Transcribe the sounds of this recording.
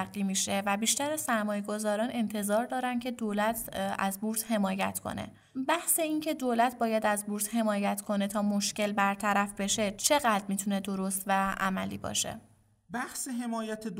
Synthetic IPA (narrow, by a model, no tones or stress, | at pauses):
ɢiːmiːʃe̞væbiːʃt̪æɾæsæɾmɒːje̞ɡo̞zɒːɾɒːne̞nt̪ʰe̞zɒːɾd̪ɒːɾæncʰe̞d̪oːlæt̪ʰæ̰zbuɾt̪he̞mɒːjæ̰t̪ʰkʰo̞̰nḛ | bæhse̞incʰe̞d̪oːlæt̪̚ʰbɒːjæd̪æzbuːɾt̪he̞mɒːjæt̪ʰkʰo̞ne̞t̪ʰɒːmo̞ʃce̞lbæɾt̪ʰæɾæfbe̞ʃe̞t͡ʃʰe̞ɣæd̪ɾmiːt̪ʰune̞d̪o̞ɾost̪væʔæ̰mælḭːbɒ̰ːʃḛ | bæhseɦemɒːjæt̪ʰed̪